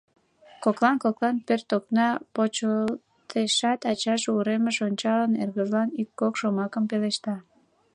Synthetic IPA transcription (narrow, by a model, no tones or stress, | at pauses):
koklɑnkoklɑnpørt̪oknɑpot͡ɕəl | t̪eʃɑt̪ɑt͡ɕɑʃuɾemeʃonʲt͡ɕɑlənerɣəʒlɑnikːokʃomɑkəmpeleʃt̪ɑ